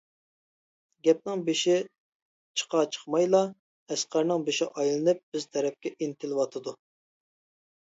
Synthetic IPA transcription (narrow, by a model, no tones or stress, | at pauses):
ɡʲɛp̚nɨŋbeʃɪ | t͡ʃʰə̥qʰɑt͡ʃʰə̥χmɑjlˠɑ | ɛsqæɾnɨŋbeʃɪʔɑjlˠɨnɨp̚bɪz̥t̪ʰɛɾɛp̚kʲɛʔint̪ʰɪlˠwɑt̪ʰɨd̪u